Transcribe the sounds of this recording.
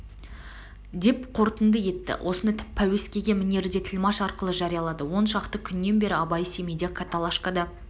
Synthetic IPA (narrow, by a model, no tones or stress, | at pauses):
d̪e̞pqʰo̞ɾt̪ənd̪əje̞t̪ːɪ̰wʔo̞sənpʰæwe̞skʲe̞ɡʲe̞mɪne̞ɾɪd̪e̞t̪ʰɪlʲmɑʃɑɾqəlˠəʒɑɾijɑlˠɑd̪əwo̞nʃɑqt̪əkʲʰʏnːe̞nbe̞ɾɪɑbɑjse̞mejd̪ekʰat̪alˠaʃkad̪ɑ